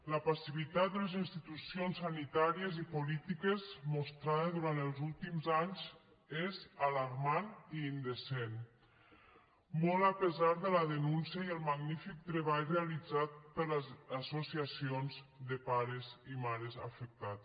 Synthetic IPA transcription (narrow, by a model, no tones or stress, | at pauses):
ləpasiβ̞it̪at̪̚d̪əlezinst̪it̪usionsːanit̪aɾiəzipulit̪ikezmust̪ɾaðeðuɾant̪əlˠzulˠt̪imzaɲz | ezalaɾmaniːnd̪esen | mɔlˠapəzaɾðələðənunsjəiəlˠmaɡnifik̚t̪ɾəβ̞aʎrealid͡zat̪̚pəɾləzasosiasionzd̪əpaɾəzimaɾəza̰fək̚t̪at